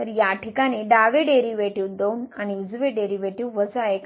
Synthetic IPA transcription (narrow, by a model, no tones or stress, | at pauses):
əɾjaʈʰikaɽ̃iːɖaʋeɖeɾiʋeʈiʋd̪onañiud͡zʋeɖeɾiʋeʈiʋʋəsaek